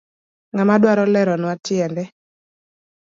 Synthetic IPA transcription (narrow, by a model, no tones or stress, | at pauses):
ŋamadwaɾɔlɛɾɔnwatɪɛndɛ